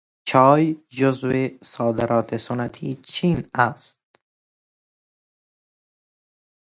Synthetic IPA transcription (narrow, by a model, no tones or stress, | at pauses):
t͡ʃʰɒːjd͡ʒozvesɒːd̪eɾʔɒːt̪ʰesonæt̪ʰiːt͡ʃʰiːnæst̪̚